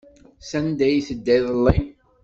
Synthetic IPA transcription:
sænd̪æjiθəd̪ːæjðˤəlːi

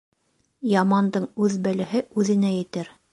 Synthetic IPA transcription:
jɑmɑnd̪ɤɴʉðbælɘ̆ɦɘʉðɘ̆næjɘ̆t̪ɘɾ

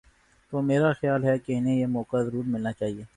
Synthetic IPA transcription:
t̪oːmeːɾaxjaːlɦɛkeɪnẽjemɔːkazɐɾuːɾmɪlnat͡ʃaːɦieː

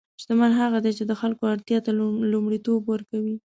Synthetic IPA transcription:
ʃt̪amanɦaɣad̪et͡ʃed̪əxalkoaɽt̪jɑt̪alumɽit̪obwəɾkawi

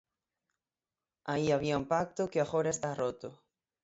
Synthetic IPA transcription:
aiaβiaũmpak̚t̪ʊkɪaχoɾaest̪arot̪ʊ

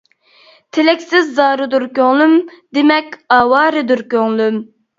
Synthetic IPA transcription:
t̪ʰelɛkʲsɪzːɑːɾɨd̪uɾkʲøŋlˠymd̪emɛkʲɑːwɑːɾɨd̪uɾkʲøŋlˠym

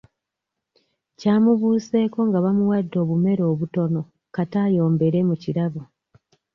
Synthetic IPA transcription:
caːmuβuːse̞ːko̞ŋɡaβamuwadːo̞ːβume̞ɾo̞ːβuto̞no̞ | kataːjo̞ːmbe̞ɾe̞muciɾaβu

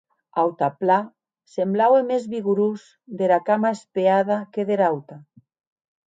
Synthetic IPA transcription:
awt̪apla | semblawemezβiɣuɾus | d̪eɾakamaespeaðakeðeɾawt̪a

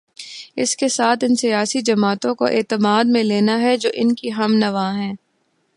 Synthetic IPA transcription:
ɪ̰skesaːt̪ʰɪnsijaːsid͡ʒɐmaːt̪õkoʔeːt̪əmaːd̪̚mẽleːnaɦɛd͡ʒoːʔɪnkiɦɐmnɐʋaːɦɛ̃ː

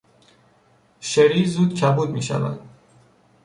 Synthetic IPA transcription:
ʃeɾiːzuːd̪cʰæbuːd̪miːʃæ̰væ̰d̪̥

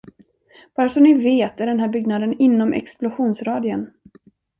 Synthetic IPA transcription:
b̥ɑːɾasɔmnɪveːt̪æɖɛnɦæːɾbʏɡnad̪ənɪnːɔmʔɛ̰ksplʊɧuːnsɾɑːd̪ʏən

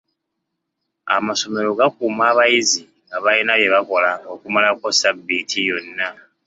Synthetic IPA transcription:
a̰maso̞me̞ɾo̞ɡakumaːβajizi | ŋaβajinaβje̞βako̞laokumalako̞sabːitʰijo̞nːa

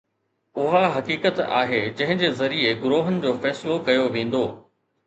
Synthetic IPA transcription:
ʊɦaɦɐkiːkət̪a̰ːɦed͡ʑɐ̃ɦɪ̃ɲd͡ʑeːzɐɾieɡʊɾoːɦənɪ̆d͡ʑoːfɛːsɪlokɐjoʋẽːn̆d̪oː

